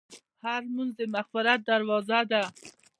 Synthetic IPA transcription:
haɾmunzemaxfɪɾat̪̚d̪aɾwɑzad̪a

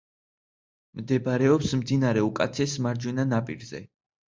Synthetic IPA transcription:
md̪ɛbɾɛɔpsmd̪inaɾɛukʼat̪sʰɛsmaɾd͡ʒwinanapʼḭɾzɛ̰

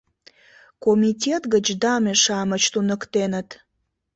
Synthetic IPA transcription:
komitʲet̪ɡət͡ɕd̪ɑmeʃɑmət͡ɕt̪unəkt̪enət̪

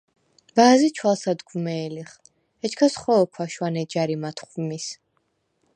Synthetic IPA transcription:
vaːzit͡ʃʰwalˠsad̪ɡumɛːliχ | ɛt͡ʃʰkʰasχɔːkʰwaʃwanɛd͡ʒaɾimat̪ʰχvmis

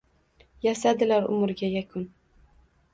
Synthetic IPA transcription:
jasad̪ɪlaɾʊ̰mɾɡʲajakʰʊn

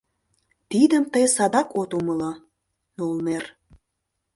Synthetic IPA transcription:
t̪id̪əmt̪əjsɑd̪ɑkot̪uməlɑ | nulner

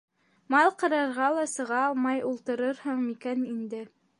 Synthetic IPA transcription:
mɑlˠqɤ̆ɾɑɾʁɑlˠɑsɤ̆ʁɑːlˠmɑjulˠt̪ɤ̆ɾɤɾhɤɴikænind̪ɘ

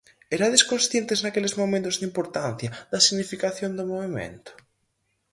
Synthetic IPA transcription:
eɾaðeskonsθjent̪eznakelezmomẽnt̪ozðimpoɾt̪anθjaðɐsiɣnifikaθjond̪omoβimḛ̃nt̪o̥

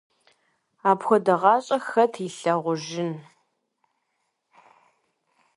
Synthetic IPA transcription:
aːpxʷɔdɐʁɑːɕʼɐxɐtʰiːɬɐʁʷʊʒɪn

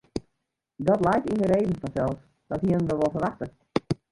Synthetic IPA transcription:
dɔtlɛjtindəɾeːvən̩fɔnsɛlˠfs | d̥ɔthiənəndəʋɔlˠfərʋaxtə

